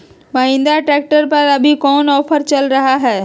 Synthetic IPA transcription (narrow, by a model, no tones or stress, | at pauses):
mɐɦɪ̃nd̪aʈɾɛːk̚ʈəɾpɐɾɐbʱikɔːnɔːpʰəɾt͡ʃɐlɾɐɦaɦɛː